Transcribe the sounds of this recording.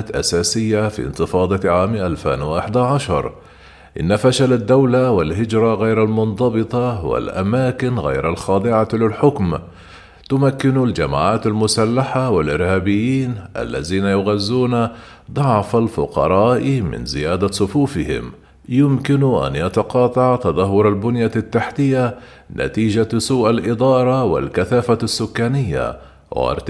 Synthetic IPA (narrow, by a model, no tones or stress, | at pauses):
t̪ʔa̰saːsɪjːafḭnt̪ɨfɑːd̪ˤɑʕaːmʔalfa̰ːnwɪʔaħd̪aʕaʃɑ̰ɾˤ | ʔɪnːafaʃalad̪ːawlawɪlɦɪd͡ʒɾˤɑɣajɾalmʊnðˤɑbɨt̪ˤɑwɪ̰lʔa̰maːkɪnɣa̰jɾalxɑːd̪ˤɨʕalɪlħʊkm | t̪ʊmakːɪnld͡ʒama̰ːʕaːt̪almʊsalːaħawɪlʔɪɾhaːbɪjːiːnʔa̰lːa̰ðiːnajʊɣazːuːna | d̪ˤɑʕfalfʊ̰qɑ̰ɾˤɑːʔmɪ̰nzɪ̰jaːd̪asˤʊfuːfɪhɪ̰m | jʊmkɪnʔa̰njɑt̪ɑqɑːt̪ˤɑʕt̪ɑd̪ˤɑɦːʊɾˤalbʊnjat̪ːaħt̪ɪjːa | nʔa̰t̪iːd͡ʒasuːʔalʔɪd̪ˤɑːɾˤɑwɪ̰lkaθaːfasːʊkːaːnɪjːa̰ | w̰ɾt̪